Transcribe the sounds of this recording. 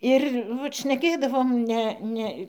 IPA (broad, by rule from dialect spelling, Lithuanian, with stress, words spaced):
ɪr ˈʋɐt ʃʲnʲɛˈkʲeːdɐʋoːm ˈnʲɛ ˈnʲɛ